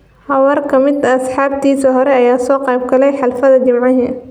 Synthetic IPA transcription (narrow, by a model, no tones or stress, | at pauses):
hɐwɐrkʰɐmɪd̪ɐːsħaːb̚t̪ʰiːsɐɦɔɾɛɐjaːsɔːqɑːb̚ɡɐlɛjħɑlfɐðɐd͡ʒɪmʕaɦɛ